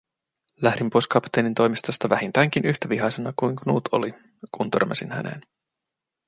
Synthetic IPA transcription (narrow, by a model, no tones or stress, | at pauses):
læhdimpojskɑpt̪e̞ːnint̪o̞jmist̪ost̪ɑʋæhint̪æːŋk̟inyçt̪æʋiɦɑjsenɑkujŋkonuːt̪ʰo̰li | kunt̪ø̞̰rmɑ̰sinhæ̰ne̞̰ːn